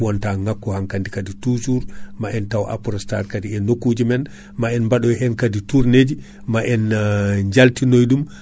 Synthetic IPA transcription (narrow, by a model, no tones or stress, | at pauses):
wɔntaŋakːɔhaŋkandikaditusuɾmaʔɛntawʔa̰pɔɾɔstaɾkadiɛnokːud͡ʒimɛn | maɛnmbaɗɔjɦɛnkadituɾned͡ʒi | maʔɛnɲd͡ʒaltinojɗum